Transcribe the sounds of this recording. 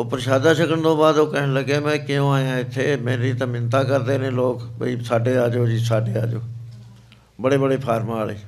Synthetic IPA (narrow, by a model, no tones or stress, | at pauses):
opəɾʃaːd̪ãːsəkəɳd̪õːbaːd̪oːkənləɡeːmɛ̃ːkɪjõːaːjãːɪt̪ʰːeːmẽːɾiːt̪ãːmɪnt̪aːkəɾd̪eːnẽːloːkbə̰iːsaːɖeːaːd͡ʒoːd͡ʒiːsaːɖeːa̰ːd͡ʒoː | bəɽeːbəɽeːpʰaːɾmaːɭeː